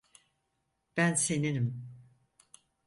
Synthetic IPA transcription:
b̥ænseninim

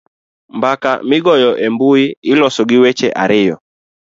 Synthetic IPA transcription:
mbaka̰mɪɡɔjɔʔembuiɪlɔsɔɡɪwɛt͡ʃɛʔaɾɪjɔ̰

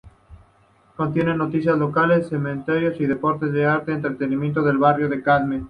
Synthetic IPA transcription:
ko̞nt̪je̞ne̞nːo̞t̪isjazlo̞kale̞sːemẽnt̪eɾjo̞siðe̞po̞ɾt̪ezðeaɾt̪eeːnt̪ɾet̪e̞nimjent̪̬oðe̞lβarjoðe̞kaðme

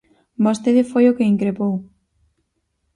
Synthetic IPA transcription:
bost̪eðɪfojokeiŋkɾepow

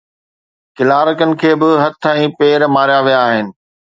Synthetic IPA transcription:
kɪlaːɾəkənɪ̆kʰeːbɪɦɐt̪ʰɛ̃ːpeːɾmaːɾjaʋijaːɦɪnɪ̆

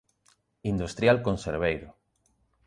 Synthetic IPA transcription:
ind̪ust̪ɾjalkõnseɾβejɾʊ

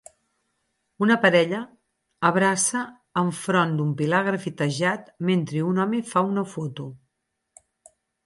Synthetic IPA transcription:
unəpəɾɛʎəː | β̞ɾasəː | ɱfɾɔnd̪umpilaɣ̞ɾəfit̪əʒat̪ment̪ɾeunɔmefaunəfɔt̪u

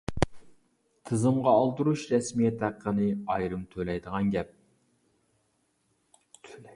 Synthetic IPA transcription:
t̪ʰɨzɨmʁɑːlˠt̪uɾuʃɾɛsmijɛt̪ʰæqʰːənɨɑjɾɨmt̪ʰølɛjd̪əʁɑnɡʲɛp̚

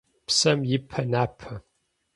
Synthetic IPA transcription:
psɐmjɪpʰːɐnapʰːɐ

